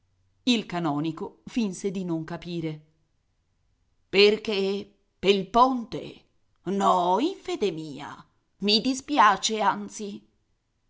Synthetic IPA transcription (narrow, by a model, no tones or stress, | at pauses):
ilkanɔːnikofinsed̪inoŋkapiːɾe | perke | pelpont̪ḛ | nɔiɱfeːd̪emiːa̰ | mid̪ispjaːt͡ʃeant̪si